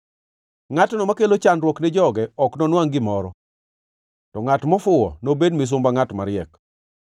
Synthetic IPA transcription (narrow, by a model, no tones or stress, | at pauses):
ŋatnɔmakelot͡ʃanɾwɔknɪd͡ʒɔɡɛɔknɔnwaŋɡɪmɔɾɔ | tɔŋatmɔfʊwɔ̰nobedmɪs̬ʊmbaŋatmaɾɪɛk